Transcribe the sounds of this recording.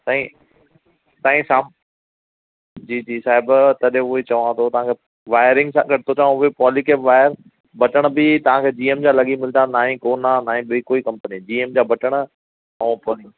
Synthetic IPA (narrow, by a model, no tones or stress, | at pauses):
t̪ãːĩ | t̪ãːĩsaːm | d͡ʑiːd͡ʑiːsaːɦɪbt̪ɐɗẽʊɦet͡ɕɐʋãt̪ʰot̪ɐʋ̤ãːkʰeː | ʋaːɪɾɪ̃ŋɡsãɡɐʈɪt̪ʰot͡ɕaʋãʊɦepɔːlikeːpʋaːɪəɾ | bɐʈəɽ̃̆bɪt̪ɐʋ̤ãkʰeːd͡ʑiːeːmd͡ʑaːlɐɠimɪld̪ʰanaːɦĩkoːnanaːɦĩbɪkoːikɐ̃mpənid͡ʑiːeːmd͡ʑaːbɐʈəɽ̃ə̆ | ɐũpoːlɪ̃